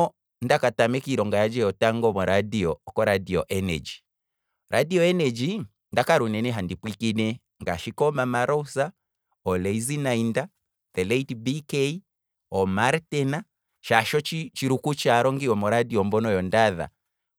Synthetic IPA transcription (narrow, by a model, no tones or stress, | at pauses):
ɔ | ndakatamɛkiɾɔŋɡajad͡ʒɛjɔtaŋɡɔmɔɾadiɔːkɔɾadiɔʔɛnɛ̰d͡ʒi | ɾʔadiɔɛnɛd͡ʒi | ndakaɾunɛnɛɦandipwikinɛ | ŋɡaʃikɔmamaɾɔusa | ɔlɛizinainda | ðɛlɛitbikɛi | ɔmaɾtɛna | ʃaʃɔt͡ʃit͡ʃiɾukut͡ʃaɾɔŋɡiɔmɔɾadiɔmbɔnɔjɔndaða̰